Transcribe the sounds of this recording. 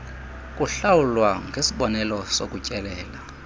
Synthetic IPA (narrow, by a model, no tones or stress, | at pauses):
kʼuɬawulwaŋɡʱesiɓɔnɛlɔsokʼucʼɛlɛːla